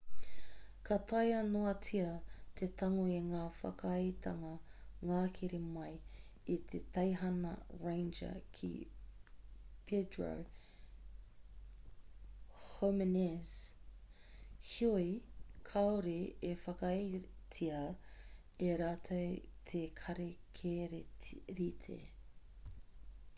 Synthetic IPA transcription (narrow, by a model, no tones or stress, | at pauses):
kʰɐt̪ʰɐjɐnoɐt͡sʰiɐt̪ʰet̪ʰɐŋoeŋaːfɐ̰kɐjt̪ʰɐŋɐŋaːkʰiɾemɐj | it̪ʰet̪ɐjɦɐnɐ̰ɹẽjnd͡ʒɐ̰kʰḭ | pʰedɹo̰w | homenes | hiojkʰɐoɾeefɐkɐjtʰiɐ | eɾaːt̪ʰowt̪ʰekʰɐɾekʰeɾeɾit̪ʰḛ